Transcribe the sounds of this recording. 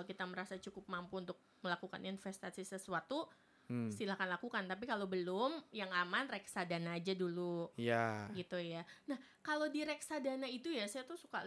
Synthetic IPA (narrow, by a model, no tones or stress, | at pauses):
kit̪aməɾasat͡ʃukʊp̚mampuːnt̪ʊk̚məlakuka̰ninfɛst̪asisəsuat̪u | silahkanlakukant̪ap̬ikalobəlʊmjaŋamanrɛksadanaːd͡ʒadulujaɡit̪ujanah | kalodiɾɛksadanait̪ujasajat̪usuka̰